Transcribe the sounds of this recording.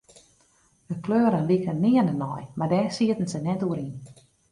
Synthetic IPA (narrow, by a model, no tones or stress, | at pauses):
dəkløːəɾənlikənɪːənənɔjmardɛːsiətən̩sənɛtuəɾin